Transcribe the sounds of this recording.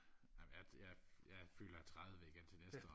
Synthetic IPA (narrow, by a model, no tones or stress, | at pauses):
nɑ̈ɪməjajaɪjɑɪfy̰ːlɐæt͡sʰʁaðˠəʋeiɡ̥ent͡sʰe̝nesd̥ə